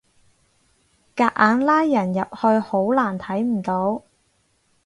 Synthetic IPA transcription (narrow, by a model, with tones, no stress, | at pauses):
kaː˧ʔ̚ʔaː˨˧˥nlaː˥jːɐ˨˩njɐ˨p̚hɵ˧ɥho˨˥wlaː˨˩nt̪ʰɐ˨˥jm̩˨˩t̪o˨˥w